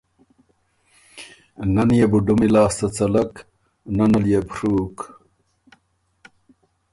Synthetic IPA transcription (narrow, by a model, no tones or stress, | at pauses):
nɐnjebuɖumilaːst̪ɐt͡sɐlɐk | nɐnɐljebɾuːk